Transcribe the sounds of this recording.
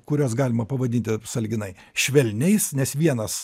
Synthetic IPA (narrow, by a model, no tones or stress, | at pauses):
kʊɾʲoːsɡɑːlʲɪmɐpɐʋɐd̪ʲɪnʲt̪ʲɪsɐlʲɡʲɪnɐɪ | ʃʲʋʲɛlʲnʲɛɪsnʲɛsʋʲiɛnɐs